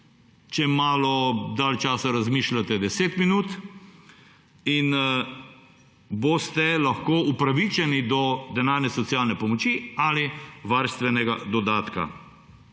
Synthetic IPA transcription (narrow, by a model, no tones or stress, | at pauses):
t͡ʃɛmaːlɔd̪alt͡ʃaːsaɾazmiːʃlat̪ɛd̪ɛseːt̪minuːt̪ | in | boːst̪ɛlaxkoːupɾaʋit͡ʃɛnid̪ɔd̪ɛnaːɾnɛsɔt̪sjaːlnɛpɔmɔt͡ʃialiʋaɾst̪ʋɛnɛɡad̪ɔd̪aːt̪ka̰